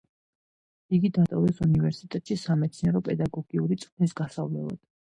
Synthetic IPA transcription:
iɡid̪at̪ʼɔvɛsunivɛɾsit̪ʼɛt̪ʼʃisamɛt̪sʰniɛɾɔpʼɛd̪aɡɔɡiuɾit̪sʼχnisɡasavlɛ̰lˠa̰d̪̥

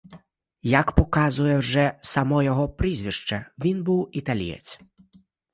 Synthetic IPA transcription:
jɐkpɔkazʊjɛwʐɛsɐmɔjɔɦɔpɾizʲʋʲiʂt͡ʃɐʋʲinbuwit̪alʲḭjɛ̰t͡sʲ

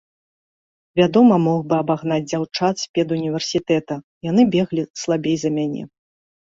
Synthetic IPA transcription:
vʲad̪ɔmɐmɔxbɨabaɣnad͡zʲd͡zʲawt͡ʂat̪sʲpʲɛd̪unʲivʲɛrsʲit̪ɛt̪ɐ | jan̪ɨbʲɛɣlʲislˠabʲejzɐmʲanʲɛ̰

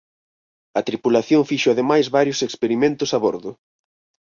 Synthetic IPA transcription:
ɐt̪ɾipulaθjoŋfiʃʊaðemajzβaɾjʊsekspeɾimẽnt̪ʊsaβoɾðʊ

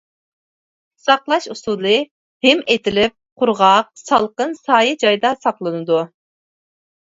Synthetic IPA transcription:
sɑqlˠɑʃusulˠɨ | hɪmet̪ɪlɪp̚qʰʊɾʁɑq̚sɑlˠqənsɑːjɨd͡ʒɑjd̪ɑsɑqlˠɨnɨd̪u

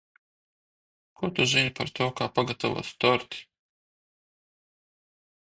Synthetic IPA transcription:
kʰot̪uʒinʲpaɾt̪ʰoːkaːpaɡat̪ɔvo̰st̪ɔɾt̪i̥

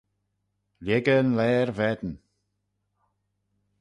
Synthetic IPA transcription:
ljɛɡənlɛːɹvɛd̪ən̩

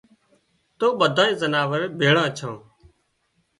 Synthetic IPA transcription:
t̪oːɓəd̪ʱãːĩːzənaːʋəɾbʱeːɽãːt͡ʃʰãː

